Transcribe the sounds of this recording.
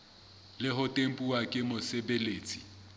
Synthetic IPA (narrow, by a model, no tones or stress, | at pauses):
lɪɦʊtʼem̩pʼuwakʼɪmʊsebeleːt͡sʼi̥